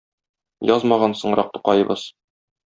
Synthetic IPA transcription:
jɒzmɑʁɑnsɤ̆ɴɾɑq̚t̪u̥qɑjɤ̆bɤz̥

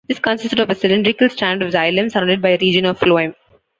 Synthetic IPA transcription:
d̪̥ɪskə̃nsɪsʈəɖɔʋəsɪlɪ̃ɳɖɾɪkəlsʈæ̃ːnɖɔʋzaɪlə̃msəɾãʊ̃ɳɖɪɖ̚baɪəɾiːd͡ʒə̃nɔʋfloːɪ̃m

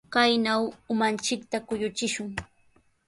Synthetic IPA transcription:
kajnawʊmant͡ʃɪk̚t̪akʊjʊt͡ʃɪʃʊŋ

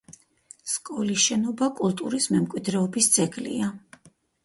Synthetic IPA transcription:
skʼɔlisʃɛnɔbakʼulˠt̪ʼuɾismɛmkʼwid̪ɾɛɔbist̪sʼɛkʼlḭa

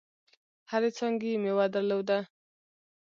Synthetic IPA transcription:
haɾet͡sɑŋɡemewad̪aɾlowd̪a

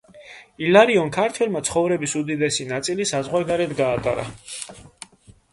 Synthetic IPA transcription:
ilaɾiɔnkʰaɾt̪ʰwɛlˠmat̪sʰχɔvɾɛbisud̪id̪ɛsinat̪sʼilisazʁwaɾɡaɾɛd̪ɡaːt̪ʼa̰ɾa̰

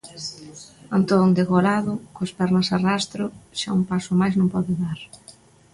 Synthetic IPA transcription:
ant̪ond̪eɣolaðʊkospɛɾnɐsarast̪ɾʊʃaumpasʊmajznõmpɔðʊðaɾ

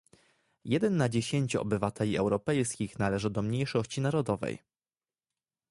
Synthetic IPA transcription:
jɛd̪ɛnːad͡ʑeɕeɲt͡ɕuɔ̰bɘvat̪ʰɛlʲiɛwɾɔpɛjskʲixnalɛʐɘd̪ɔmɲejʂɔɕt͡ɕinaɾɔd̪ɔvɛ̰j

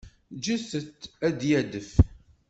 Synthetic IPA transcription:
d͡ʒəsət̪ːæd̪jæd̪əf

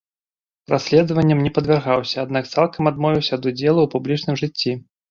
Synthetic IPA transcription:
rasʲlʲɛd̪ɐvɐnʲːɐmnʲɛpɐd̪vʲɛrɣawsʲɐad̪nakt̪salˠkɐmad̪mɔvʲiwsʲɐːd̪ud͡zʲɛlˠuwpublʲit͡ʂnɨmʐɨt͡sʲːi

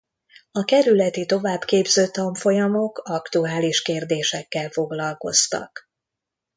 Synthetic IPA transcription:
ɒkɛɾylɛt̪it̪o̞vaːbkeːbzøːt̪ɒɱfo̞jɒmo̞kɒkt̪uaːliʃkeːrd̪eːʃɛkːɛlfo̞ɡlɒlko̞̰st̪ɒ̰k

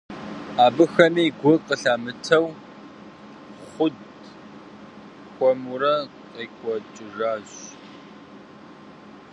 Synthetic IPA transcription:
aːbɨxɐmiːɡʷʊqəɬaːmɨtʰɐw | χʷʊd | kʷʼɔmuɾɐ | iːkʷʼɔt͡ʃʼɪʒaːʑ

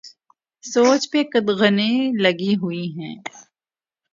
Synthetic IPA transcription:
soːt͡ʃpekəd̪ɣənẽlɐɡiɦʊiɦɛ̰̃ː

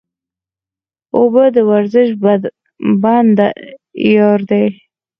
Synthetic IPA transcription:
obəd̪əwaɾzɪʃ | band̪ajɑɾd̪ej

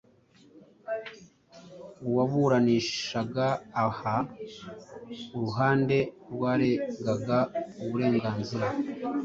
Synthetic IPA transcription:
uwaβuɾaniːʃaɡaːha | uɾuɦaːnde̞ɾɡwaːɾeŋɡaɡauβuɾe̞ːŋɡaːnziɾa

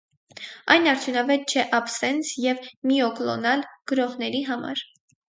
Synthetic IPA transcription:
ɑjnɑɾt̪ʰjunɑvɛt̪̚t͡ʃʰɛʔɑpsɛnsjɛvmiɔklɔ̰nɑlɡ̥əɾɔʁnɛɾiɦɑmɑ̰ɾ

